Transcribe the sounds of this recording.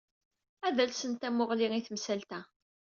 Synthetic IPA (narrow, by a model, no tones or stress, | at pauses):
æðælsənt̪æmʊʁliʁiθmsælt̪æ